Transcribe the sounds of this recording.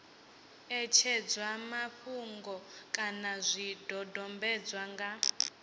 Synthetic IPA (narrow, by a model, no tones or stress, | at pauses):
ɛt͡ʃʰɛd͡zwamaɸuŋɡɔkʼanazʷidʱɔdɔmbɛd͡zwaŋɡa